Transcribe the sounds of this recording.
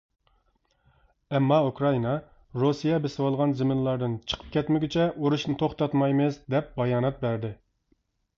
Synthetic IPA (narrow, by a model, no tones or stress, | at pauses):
ɛmːɑukɾɑinɑ | ɾusijɛbesɪwɑlˠʁɑnzɪmɪnlˠɑɾd̪ɨnt͡ʃʰə̥qʰə̥p̚kʲɛt̪mɪɡʲɪt͡ʃʰɛʔuɾuʃnɨt̪ʰoχt̪ɑt̪mɑjmɪzd̪ɛp̚bɑjɑːnɑt̪̚bæɾd̪ɪ